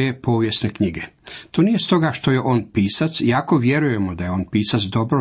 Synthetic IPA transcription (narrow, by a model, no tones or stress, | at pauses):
epo̞ːʋjesne̞kɲiɡe̞t̪oːnije̞st̪o̞ɡaʃt̪o̞je̞ʔo̞ːnpiːsat̪sjaːko̞ʋje̞ɾuje̞mo̞d̪ajeo̞ːnpiːsat̪sd̪o̞bɾo